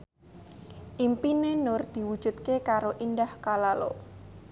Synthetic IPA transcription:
ʔimpinenord̪̥i̤wud̥ʒ̥ṳt̪̚kekaɾoʔindahkalalo̰

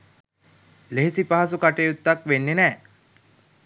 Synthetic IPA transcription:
leɦesipaɦas̬ukaʈejut̪ːakʋenːenɛː

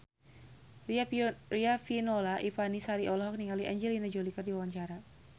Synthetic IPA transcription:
riariafinɔlaʔipanisaɾiʔɔlɔɦɔk̚niŋaliʔaɲd͡ʒɛlinad͡ʒɔlikərdiwawaɲt͡ʃaɾa

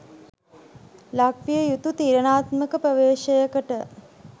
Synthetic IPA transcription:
lak̚pijəjut̪ut̪iːɾənaːt̪məkəpɾəʋeːʃəjəkəʈə

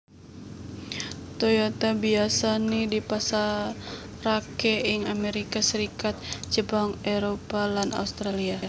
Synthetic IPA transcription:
t̪ojat̪abiasanidipasa | rakɛɪŋameɾikasəɾikat̪̚d͡ʒəbaŋɛɾopalana̰ust̪ɾalia

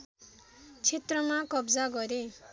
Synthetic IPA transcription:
t͡sʰet̪rʌmakʌbd͡zaɡʌɾe

